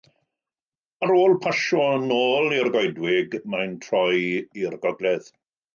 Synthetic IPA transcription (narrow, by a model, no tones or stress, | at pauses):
aɾoːlˠpʰaʃɔənoːlˠirɡɔjdwɪɡmajntʰrɔjirɡɔɡlɛð̥